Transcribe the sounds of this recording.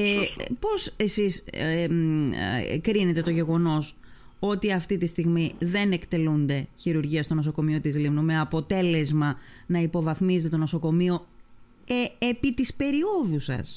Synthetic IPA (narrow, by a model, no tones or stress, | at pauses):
po̞se̞sis | kɾine̞t̪e̞t̪o̞ʝe̞ɣo̞no̞s | o̞t̪iɐft̪it̪ist̪iɣmiðe̞ne̞kt̪e̞lund̪e̞çiɾuɾʝiɐst̪o̞noso̞ko̞mio̞t̪izlimnume̞ɐpo̞t̪e̞le̞zmɐnɐipo̞vɐθmizet̪et̪ono̞soko̞mio̞ | eepit̪ispe̞ɾio̞ðusɐ̰s